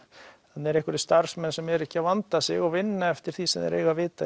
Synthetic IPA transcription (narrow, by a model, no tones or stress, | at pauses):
hanːɛɾɛhkʏɾst̪aɾsmɛnsɛmɛɾɛhcːɪawvant̪asɪɣɔɣvɪnːaɛft̪ɪɾ̥θisɛmðɛ̰ɾʔḛjɣavɪːt̪a